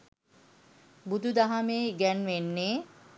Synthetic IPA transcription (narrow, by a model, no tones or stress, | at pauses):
bud̪ud̪aɦameːɡænʋenːeː